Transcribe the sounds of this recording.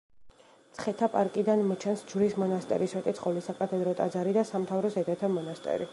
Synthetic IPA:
t̪sʰχɛt̪ʰapʼaɾkʼid̪anmɔt͡ʃʰɛnsd͡ʒɾismɔnast̪ʼɛ̰ɾisɛt̪ʼit̪sʰʼχʼɔvlisakʼat̪ʰʼɛd̪ɾɔt̪ʼad̪zaɾid̪asamt̪ʰavɾɔsɛd̪ʰɛt̪ʰamɔnast̪ʼɛ̰ɾi

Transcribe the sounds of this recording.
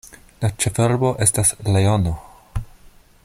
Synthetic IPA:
lat͡ʃefeɾbo̞ʔe̞staslejono

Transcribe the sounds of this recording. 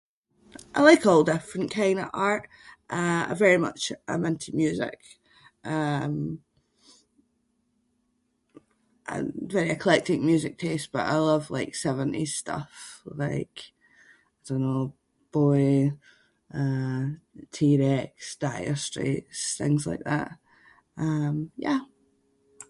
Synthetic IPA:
ʔaɪlˠaɪkɔlˠdɪfɹə̃nkʰãɪ̃ndəvaɹʔ | ʔʌə̰vɛɹimʌ̰t͡ʃʔə̰mɛ̃ntʰimjʉːzɪ̰k | ʔʌ̃m | ʔə̰vɛɹiəkʰəlˠɛk̚tɪ̃ŋ̚mjʉːzɪk̚tʰest̚b̥ʌ̰ʔa̰ɪlˠʌvlˠa̰ɪksɛvə̃nʔḭstʌ̰flaɪk | aɪdõnːo | b̥ɔɪ | ʔʌ | tʰiɹɛksd̥aɪə̰˞stɹ̥ḭʔsθɪ̰̃ŋzlˠa̰ɪk̚ða̰ʔ | ʔʌ̃mjæ̰

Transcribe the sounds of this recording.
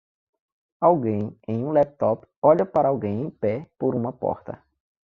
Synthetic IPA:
awɡẽj̃ẽj̃ũlɛp̚t̪ɔpɔʎɐpaɾɐawɡẽj̃ẽj̃pɛpoɾũmɐpɔ̰ɾt̪ɐ̰

